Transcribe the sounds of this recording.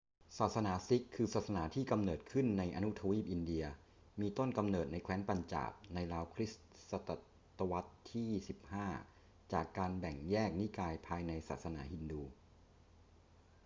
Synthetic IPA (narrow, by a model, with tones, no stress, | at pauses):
saː˨˩t̪̚sa˧naː˩˦si˦˥kʰːɯː˧saː˨˩t̪̚sa˧naː˩˦t̪ʰiː˥˩ka˧mnɤː˨˩t̪̚kʰɯ˥˩nːa˧jʔa˧nu˦˥t̪ʰa˧wiː˥˩p̚ʔi˧ndi˧ɐ | miː˧t̪o˥˩nka˧mnɤː˨˩t̪̚na˧jkʰwɛː˦˥npa˧nt͡ɕa̰ː˨˩p̚na˧jɾaː˧wkʰɾi˦˥s | sa˧t̪a˧˩ | t̪a˧wa˦˥t̪ʰːiː˥˩si˨˩p̚haː˥˩ | t͡ɕaː˨˩kːaː˧nbɛ˨˩ŋjɛː˥˩k̚ni˦˥kaː˧jpʰaː˧jna˧jsaː˨˩t̪̚sa˧na̰ː˩˦ɦi˧nduː˧